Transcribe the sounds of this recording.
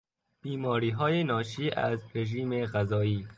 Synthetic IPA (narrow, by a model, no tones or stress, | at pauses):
b̥iːmɒːɾiːɦɒːjenɒːʃiːʔæzɾeʒiːmeɣæzɒːiː